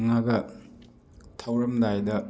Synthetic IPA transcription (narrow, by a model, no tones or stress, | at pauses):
ŋaɡɐ | tʰɐwɾɐmdajdɐ